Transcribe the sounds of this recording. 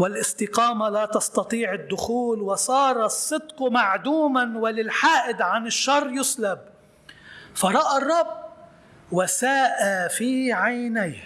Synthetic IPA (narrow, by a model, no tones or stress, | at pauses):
wɪlʔɪst̪ɪqɑːmalat̪ɑst̪ɑt̪ˤiːʕɪd̪ːʊxuːlwɪsˤɑːɾˤɑsˤːɨd̪qmaʕd̪uːmanwɪlɪlħaːʔɪd̪ʕanɪʃːɑrˤːjʊslab̚ | faɾˤɑʔarˤːɑbː | wasaːʔafiːʕajnajh